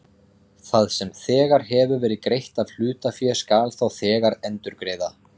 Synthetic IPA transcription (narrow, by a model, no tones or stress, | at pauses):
θaðsɛmθɛːɣaɾ̥ɦɛvʏvɛːɾɪðkɾejht̪aðl̥ʏːt̪afjɛskaːlθawθɛːɣaɾɛnt̪ʏɾkɾeːjða